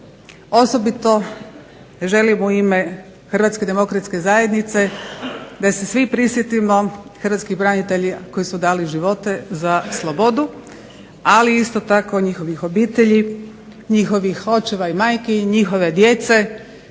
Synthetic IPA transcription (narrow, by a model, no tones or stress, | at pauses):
o̞sobit̪o̞ | ʒe̞limuime | xr̩ʋat̪sked̪e̞mo̞kɾat̪ske̞zaje̞d̪nit̪se̞ | d̪ase̞sʋipɾisjet̪imo̞xrʋat̪skixbɾaɲit̪e̞ʎiko̞jisud̪aːliʒiʋo̞t̪e̞zaslˠobo̞d̪u | aliist̪o̞t̪ako̞ɲixo̞ʋixo̞biːt̪eʎi | ɲixo̞ʋixo̞t͡ʃeʋaimaːjkeɲixo̞ʋe̞d̪je̞t̪se̞